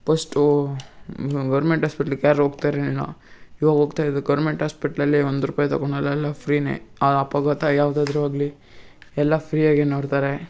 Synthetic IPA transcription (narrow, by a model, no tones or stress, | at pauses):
pʰɐsʈu | ɡɐːɾmeɳʈɦaːspeʈɐlkaːɾɾɦoːɡ̚t̪aːɾenilːa̰iːʋaːɡɦoːɡt̪aːjd̪uɡɐwɾmeɳʈɦaːspeʈɐlɐlːiond̪uɾuːpaːjɐt̪ɐ̰koɳɛlːɐɛlːapʰɾiːnḛːɐɐpaɡɐt̪ɐjaːʋd̪aːd̪ɾuaːɡli | ɛlːapʰɾijaːɡenoːɽt̪aːɾe